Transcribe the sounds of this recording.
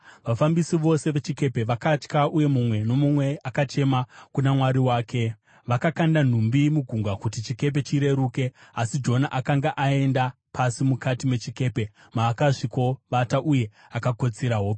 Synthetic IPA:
ʋafambisiʋo̞se̞ʋe̞t͡ʃike̞pe̞ʋakat͡ʃkaʔuje̞mumwe̞no̞mumwe̞ʔakat͡ʃe̞makunamwaɾiwaːkʰe̞ | ʋakakandan̤umbimuɡʱuŋɡwakutit͡ʃike̞p̬e̞t͡ʃiɾe̞ɾuːke̞asid͡ʒo̞naʔakaŋɡaʔae̞nda | pʰasimukatime̞t͡ʃike̞ːpe̞ | maːkaʂiko̞ʋataʔuje̞ | akako̞t͡siɾaɦo

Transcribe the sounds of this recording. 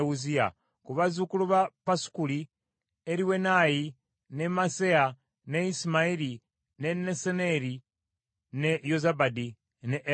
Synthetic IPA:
uzia̰ | kuβazukuluβapasu̥kuli | eɾiwenaji | nemasea | neisimaili | neneseneɾi | nejozabadi | neʔ

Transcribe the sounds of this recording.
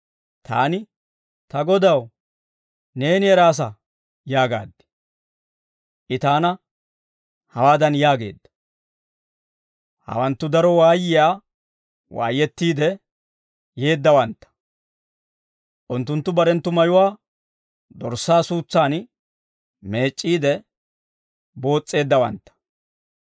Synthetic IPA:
t̪ʰa̰ːnɪ | t̪ɐɡɔd̪ɐw | ne̞ːnɪɛɾaːs̬ɐ | jaːɡa̰ːd̪ːɪ̥ | ʔɪt̪aːnɐ | hɐwaːd̪ɐnjaːɡe̞ːd̪ːɐ | hɐ̰wɐnt̪ːʊd̪ɐɾɔwaːjɪjaː | wa̰ːjːɛt̪ːiːd̪ɛ | je̞ːd̪ːɐwɐnt̪ːɐ̥ | ʔʊnt̪ːʊnt̪ːʊbɐɾɛnt̪ːʊmɐjʊwaː | d̪ɔɾsːaːsuːt͡sːaːn | me̞ːt͡ʃʼːiːd̪ɛ | bo̞ːt͡sʼːe̞ːd̪ːɐwɐ̰nt̪ːɐ̥

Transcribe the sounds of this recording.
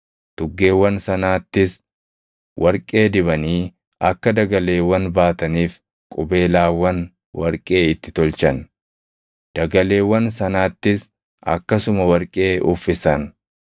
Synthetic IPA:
t̪ʊɡːe̞ːwːɐnsɐnaːt̪ːɪs | wʔɐɾkʼe̞ːd̪ɪbɐniː | ʔɐkːɐd̪ɐɡɐle̞ːwːɐnbaːt̪ɐniːf | kʼʊbe̞ːlaːwɐn | wɐɾkʼeːɪt̪ːɪt̪ɔlt͡ʃɐn | d̪̥ɐɡɐle̞ːwːɐnsɐnaːt̪ːɪs | ʔɐ̰kːɐsʊmɐwɐɾkʼe̞ːʊfːɪsɐn

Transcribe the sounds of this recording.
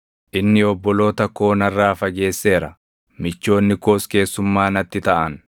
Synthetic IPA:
ʔɪnːɪɔbːɔlo̞ːt̪ɐko̞ːnɐrːaːfɐɡe̞ːsːe̞ːɾɐ | mɪt͡ʃːo̞ːnːɪko̞ːske̞ːsːʊmːaːnɐt̪ːɪt̪ɐʔɐn

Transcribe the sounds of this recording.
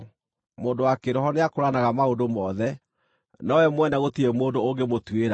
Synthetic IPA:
moːndowakeɾɔɦɔneakoɾanaɣamaodomɔðɛ | nɔwɛmwɛnɛɣotiɾemoːndooŋɡemotweɾa

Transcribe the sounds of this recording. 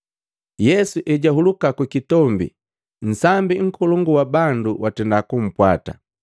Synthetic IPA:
jɛsuʔɛɟaɦulukakwikitɔmbḭ | n̩sambiŋ̩kʰɔlɔŋɡuwabanduwatɛndakum̩pwata̰

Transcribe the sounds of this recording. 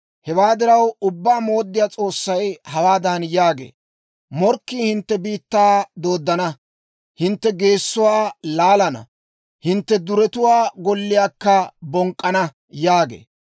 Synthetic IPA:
hɛwaːd̪ɪɾɐwʊbːaːmo̞ːd̪ːɪjaːt͡sʼo̞ːsːɐjhɐwaːd̪ɐnjaːɡḛː | mɔɾkːiːhɪnt̪ːɛbiːt̪ːaːd̪o̞ːd̪ːɐnɐ | hɪnt̪ːɛɡe̞ːsːʊwaːlaːlɐnɐ̰ | hɪnt̪ːɛd̪ʊɾɛt̪ʊwaːɡɔlːɪjaːkːɐbɔŋkʼːɐnɐ | jaːɡḛː

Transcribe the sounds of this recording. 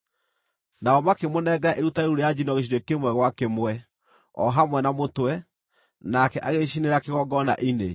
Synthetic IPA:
naɔmakemonɛɡaaʔeɾutaeuɾejad͡ʑinɔɣeʃ̬iɾwekemwɛɣwakemwɛ | ɔ̰ɦamwɛnamotwɛ | nakɛʔaɣeɕineɾakeɣɔɡɔna̰ʔine

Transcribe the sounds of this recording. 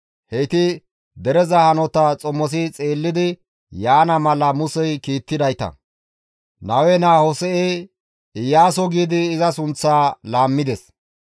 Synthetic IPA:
hɛjt̪ɪ | d̪ɛɾɛzɐhɐnɔt̪ɐt͡sʼɔmɔs̬ɪt͡sʼeːlːɪd̪ɪ | jaːnɐmɐlɐmʊsɛjkiːt̪ːɪd̪ɐjt̪ɐ̰ | nɐwɛnaːhɔsɛʔeː | ɪjːaːsɔɡiːd̪ɪːzɐsʊnt͡sːaːlaːmːɪd̪ɛs

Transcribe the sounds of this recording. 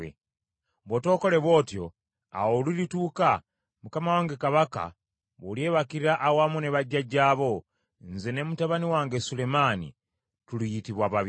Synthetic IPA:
ḛ | bwoto̞ːko̞le̞βwo̞ːtjo̞ | a̰wolilituːka | mukamawaːŋɡekaβaka̰ | βolje̞βakiɾiɾaʔːwamune̞βaɟːaɟaːβo̞ | nze̞ne̞mutaβaniwaːŋɡesule̞maːnḭ | tulijitiβwaβaβ

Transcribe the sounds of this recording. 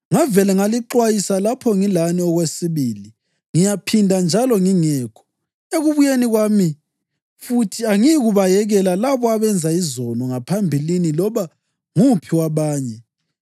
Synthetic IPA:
ŋavɛlɛŋaliǃwajisalapʰɔŋilaniɔɣwesiβiːli | ŋijapʰindʱand͡ʒʱalɔŋiŋɛːkʰɔ̥ | eɣuβujeniɣwami | futʰiaŋiɣuβajɛɣɛlalaβɔaβɛnd͡zʱaizɔnɔŋapʰambʱilinilɔβa | ŋupʰiwaβaːɲɛ

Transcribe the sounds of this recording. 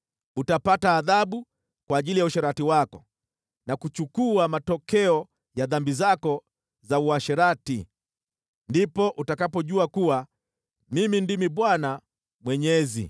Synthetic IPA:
utapataːðaɓu | kwaːʄilijauʃɛɾatiwakɔ | nakut͡ʃukuamatɔkɛɔ | jaðambizakɔ | zauaʃɛɾati | ndipɔʔutakapɔʄuakuwa | mimindimiɓwana | mwɛɲɛzḭ

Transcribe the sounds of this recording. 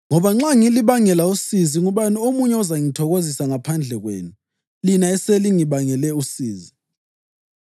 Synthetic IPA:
ŋɔβaŋ͡ǁaŋiliβaŋɛlausiziŋuβaniomuɲɛɔzaŋitʰɔɣozisaŋapʰand͡ɮʱɛɣwḛːnu | linaɛseliŋiβaŋɛlɛusiːzi

